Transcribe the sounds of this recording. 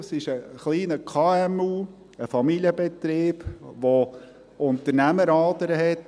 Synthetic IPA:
sɪʃəχliːnəkʰɑːɛmuː | əfɑmiljəbɛt̪ɾeːb̥ʋo | ʊnt̪əɾnæməɾɑːdəɾəɦɛt

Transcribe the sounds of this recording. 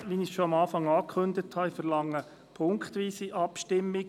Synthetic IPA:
ʋinisʃoɑmɑːfɑŋɑːkχɵndəthɑifəɾlɑŋːə | pʰʊŋkχt̪ʋiːsiʔɑpʃtɪmːiɡ

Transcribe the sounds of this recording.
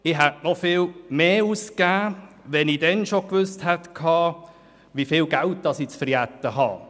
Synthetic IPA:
ɪɦɛtnɔfɪːlmeːuskæː | ʋɛnidɛnʃokʋʏsthɛt̪kʰɑː | ʋifɪːlɡælt̚d̥ɑsit͡sfəɾjæt̪ːəhɑ̰ː

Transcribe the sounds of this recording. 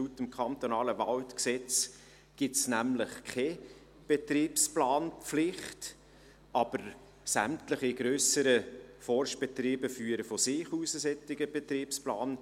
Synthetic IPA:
utəmkʰɑnt̪onɑːləvɑltksɛt͡s | ɡ̥ɪtsnæmləχkʰɛ | b̥et̪riːpsplɑːnflɪχt | ɑb̥əɾ | sæ̰mtləχiɡ̥ɾøːsəɾəfɔrʃb̥ɛtriːbəfyːəɾəfɔsɪːχuːsəsɛtɪɡəb̥ɛt̪riːpsplɑ̰ːn

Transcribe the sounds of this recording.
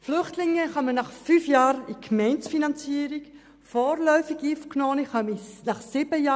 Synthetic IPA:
flʏχtlɪŋːəχɑmənɑχfyfjɑːɾikmɛɪnsfinɑnt͡siːəɾik | fɔːɾlœʏfiɡiːfkʰnoːniχɑminɑχsɪbəjɑː

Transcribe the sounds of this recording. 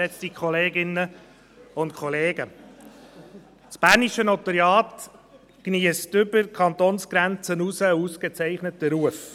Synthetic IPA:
ɛt͡st̪ikʰχɔleːɡɪnːə | ʊntkʰχɔleːɡə | t͡sb̥æːɾniʃənot̪əɾjɑːt̪ | kniəstʏbəɾkʰɑnt̪onsɡ̥ɾænt͡sənusəuːsket͡sæɪχnətəɾuəf

